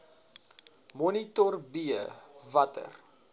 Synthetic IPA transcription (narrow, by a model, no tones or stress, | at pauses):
mɔnitɔrbiəvɐtə̰r